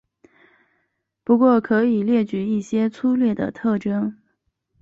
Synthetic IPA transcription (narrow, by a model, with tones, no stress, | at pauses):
pu˧˥kwɔ˥˩kʰɤ˧˥i˨˩ljɛ˥˩t͡ɕy˧˥i˥˩ɕjɛ˥t͡sʰu˥ljɛ˥˩d̪ə̰˩t̪ʰɤ˥˩ʈ͡ʂɤ˥ŋ